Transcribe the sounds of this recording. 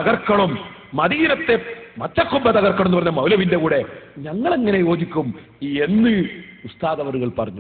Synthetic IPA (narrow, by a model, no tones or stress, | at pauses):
ɐɣɐrkːɐɭumː | ɐðiɾɐt̪ːe̞mɐt̪ːɐkːumbɐt̪ɐɣɐrkːɐɭɐmnɨpɐrɐɲːɐmɐwlɐʋinde̞kuːɽe̞ɲɐŋːɐɭeŋːɐne̞jo̞ːd͡ʑikʲːum | ie̞nːɨust̪aːðɐʋɐɾuɣɐɭpɐrɐɲːu